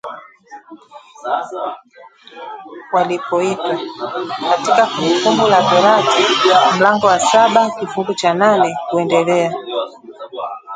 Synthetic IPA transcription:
walipɔipakatikafuŋɡufumbulazɔɾatim̩laŋɡɔwasaɓakifuɡut͡ʃananɛkuɛndɛlɛa

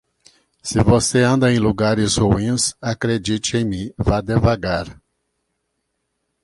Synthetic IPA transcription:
sɪvoseɐ̃nd̪ɐẽj̃luɡaɾɪshuĩsakɾed͡ʒit͡ʃɪẽj̃mĩvad̪evaɡaɾ

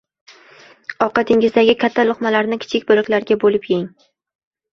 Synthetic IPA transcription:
ɒqɑt̪ʰɪŋɪzd̪aɡʲɪkʲʰat̪ʰːalˠʊχmalaɾnɪkʲʰɪ̥t͡ʃʰɪkʲbʊlˠɪkʲlaɾɡʲabolɪpjɪŋ

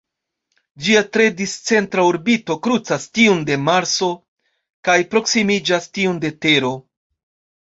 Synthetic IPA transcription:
d͡ʒiatɾe̞dist͡se̞ntɾauɾbito̞kɾut͡sastiunde̞maɾso̞ | kajpɾo̞ksimid͡ʒastiunde̞te̞ɾo̞

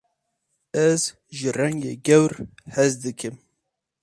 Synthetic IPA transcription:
ɛz | ʒɨrɛŋɡḛːɡɛwɾhɛzd̪ɨkʰɨm

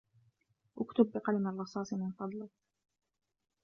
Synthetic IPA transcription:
ʔʊkt̪ʊbːɪqɑlmarˤːɑsˤɑːsˤmɪnfɑd̪ˤlɑ

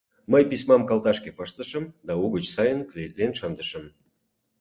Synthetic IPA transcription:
məjpisʲmɑmkɑlˠt̪ɑʃkepəʃt̪əʃə̆md̪ɑuɣət͡ɕsɑjənklʲet̪lenʃɑnd̪əʃə̆m

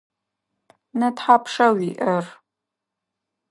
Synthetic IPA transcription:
nɐtħapʰʂɐwiʔɐr

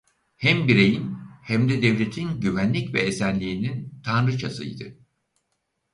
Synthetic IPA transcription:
hɛmbiɾe̞jinhæmd̪ɛd̪evlʲe̞t̪ʰinɟyvænlʲicvɛ̰ːsænlʲiːnint̪ʰanɾɯt͡ʃʰasɯ̰j̰d̪ɯ̰

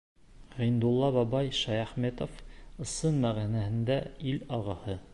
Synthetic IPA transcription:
ʁĭnd̪ulˠːɑβɑbɑjʃæjæχmet̪ofɤ̆sɤnmæʁænæhɘ̆nd̪æilɑʁɤ̆hɤ

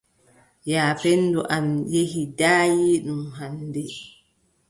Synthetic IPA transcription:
jaːpɛnːduʔamjehidaːjiɗumɦandɛ

